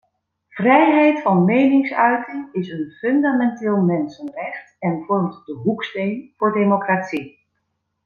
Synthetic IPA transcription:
v̥rɛjɦɛjtfɑnmejnɪŋsœɥtəŋɪsənfɵndamɛntɪːlˠmɛnsənrɛχtɛnvɔɹmtdəɦukstejnv̥ʊːɹdejmokratsi

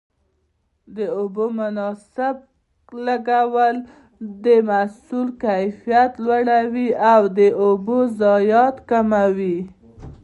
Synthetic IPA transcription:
d̪əobomʊnɑsɪb̚ | laɡawəl | d̪əmasulkajfijat̪lwaɽawiawd̪əʔobozɑjɑt̪kamawi

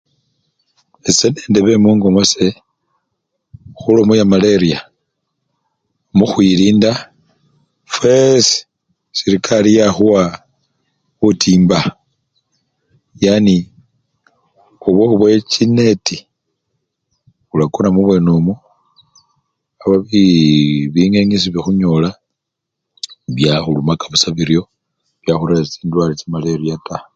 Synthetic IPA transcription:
ese̞nendeβe̞muːŋɡo̞mo̞se̞ | xulomujamaleɾija | muxwiɾiːnda | fwes | siɾikʰalijaxuwa | utʰiːmba | jani | oβoβwet͡ʃineti | βulakunamuβwe̞nomu | aβaβi | βiŋeɲis̬iβixuɲola | βjaxulumakaβusaβiɾjo̞ | βjaxuɾat͡siːndwaɾit͡simaleɾijata

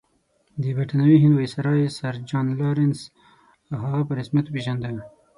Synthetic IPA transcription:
d̪əbaʈanawiɦɪnd̪wajsaɾɑjesaɾd͡ʒɑnloɾɪns | aɦaɣapəɾɪsmjat̪opeʒand̪aw

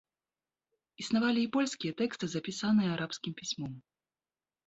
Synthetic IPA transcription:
isnavalʲiːpɔlʲsʲkʲijɛt̪ɛkst̪ɨzɐpʲisanɨjɛaɾapskʲimpʲisʲmɔm

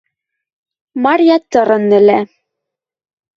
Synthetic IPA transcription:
mɑrʲjɑt̪ɤ̆ɾɤ̆nːɘ̆læ

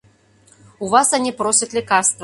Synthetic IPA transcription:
uvasanʲipɾɔsʲɐt̪ʲlʲikarst̪vɐ

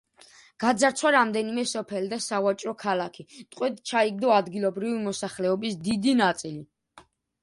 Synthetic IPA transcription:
ɡ̥ad̪zaɾt̪sʰwaɾamd̪ɛnimɛsɔpʰɛlid̪asavat͡ʃʼɾɔkʰalakʰit̪ʼqʼwɛd̪t͡ʃʰaiɡ̚d̪ɔad̪ɡilˠɔbɾivimɔsaχlɛɔbisd̪id̪inat̪sʼili

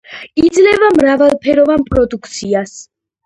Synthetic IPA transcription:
id̪zlɛvamɾavalˠpʰɛɾɔvanpʼɾɔd̪ukʰt̪sʰias

